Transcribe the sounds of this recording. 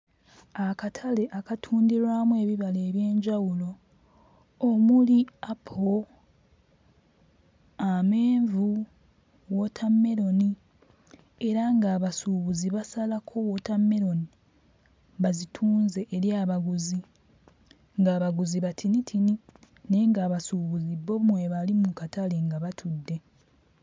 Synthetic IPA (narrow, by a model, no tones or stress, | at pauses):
akatʰale̞ʔakatʰuːndiɾwamwe̞ːβiβale̞ːβje̞ːɲɟawulo̞ | muliapʰo | ameːɱvu | wotʰamːe̞ɾo̞ni | e̞ɾaŋɡaːβasuβuziβasalakʰo̞wotamːe̞ɾo̞ni | βazitʰuːnze̞ʔːɾjaβaɡuzi | ŋɡaːβaɡuziβatʰinitʰini | ne̞ŋɡaːβasuβuziβomwe̞βalimukataleŋɡaβatʰudːe̞